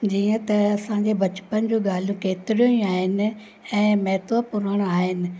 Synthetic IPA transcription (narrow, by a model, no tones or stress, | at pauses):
d͡ʑiːə̃t̪ɐɐsãːɲd͡ʑebɐt͡ɕpənd͡ʑuːɡaːl̤ijũkeːt̪ɪɾijũĩaːɦɪnɪ̆ | ɛ̃ːmɐɦt̪ʋəpʊɾəɽ̃aːɦɪnɪ̆